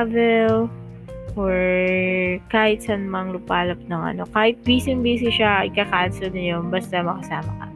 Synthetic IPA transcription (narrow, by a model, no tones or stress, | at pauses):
vɛl | ʔoɹ | kaːhɪt̪̚sɐnmɐŋlʊpaːlɐp̚nɐŋʔɐ̰no̞kaːhɪt̪̚biːsɪŋbiːsɪʃaʔɪkakansʊlnɐjonbast̪ɐmɐkɐsaːmɐkɐ̰